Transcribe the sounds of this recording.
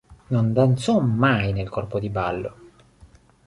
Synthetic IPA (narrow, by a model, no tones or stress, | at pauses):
nond̪ansɔmmajnelkɔrpod̪ibalːo